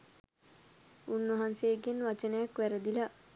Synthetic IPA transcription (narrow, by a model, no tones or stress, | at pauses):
unʋaɦanseːɡenʋat͡ʃənəjakʋæɾəd̪ila